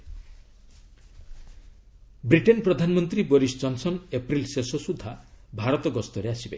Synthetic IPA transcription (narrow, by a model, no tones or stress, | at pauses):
bɾiʈenpɾɔd̪ʱanmɔnt̪ɾiboɾisd͡ʒɔnsɔnepɾilsesosud̪ʱabʱaɾɔt̪ɔɡɔst̪ɔɾeasibe